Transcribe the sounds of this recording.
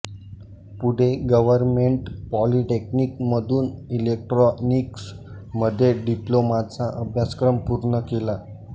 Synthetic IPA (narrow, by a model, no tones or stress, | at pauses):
puɽ̤eɡəʋəɾmeɳʈpɔliʈeknik̚məd̪ʱuːnilek̚ʈɾɔniks | məd̪ʱːjeɖiplomat͡saʔəbʱjaskɾəmpuɾɳəkela